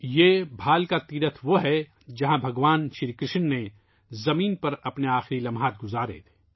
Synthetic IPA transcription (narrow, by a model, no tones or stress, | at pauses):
jeːbʱaːlkat̪iːɾət̪ʰʋoɦɛ | d͡ʒɐɦãbʱɐɡʋaːnʃɪɾkɾɪʃnːe | zɐmiːnpɐɾɐpneaːxɪɾilɐmɦaːt̪̚ɡʊzaːɾḛt̪ʰe̥ː